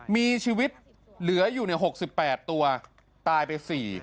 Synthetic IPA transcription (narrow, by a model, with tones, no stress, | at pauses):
miː˧t͡ɕʰiː˧wi˦˥t̪̚ | lɯ˩˦ɐjuː˨˩na˧˥jɦo˨˩k̚si˨˩pːɛː˨˩t̪ːu˧ɐ | t̪aː˧jpa˧jsiː˨˩